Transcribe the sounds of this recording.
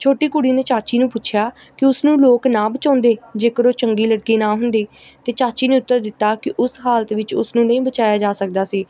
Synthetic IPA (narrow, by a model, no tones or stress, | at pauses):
t͡ʃʰoːʈiːkʊɽiːneːt͡ʃaːt͡ʃiːnũːpʊtːt͡ʃʰjaː | kɪʊsnũːloːknãːbət͡ʃãːnd̪eːd͡ʒeːkəɾoːt͡ʃəŋɡiːləɽkiːnaːɦʊnd̪iː | t̪eːt͡ʃaːt͡ʃiːneːʊt̪ːəɾd̪ɪt̪ːaːkɪʔʊsɦaːlət̪ʋɪt͡ʃʊ̰snũːnəĩːbət͡ʃaːjaːd͡ʒaːsək̚d̪aːsiː